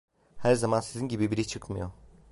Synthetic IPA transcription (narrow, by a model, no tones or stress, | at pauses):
hæɾzamansizinɟibibiɾit͡ʃʰɯkmɯjo